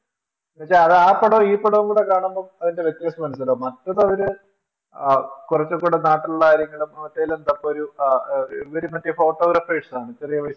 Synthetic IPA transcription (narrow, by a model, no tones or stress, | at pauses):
net͡ɕːeɐðɨaːpːɐɽoːiːpːɐɽoɐmːuɽekaːɳɐmboːɐðindeʋeknɐsmɐnɐsɐloːmɐtːɐðɐʋɐɾɨ | kurɐt͡ɕːukuːɽenaːʈːilɭːaːjiɾɐŋːiɭumoːtːɐjilend̪aːpːoːɾu | eʋɐɾumɐtːefo̞ːʈːoːɡɾɐfpeːʈsaːɳɨt͡ɕːerijɐʋɐ